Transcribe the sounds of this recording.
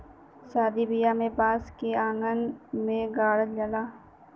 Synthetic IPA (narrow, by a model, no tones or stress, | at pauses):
saːd̪ibijamẽbaːskeãːŋɡənmẽɡaːɽəd͡ʒəlaː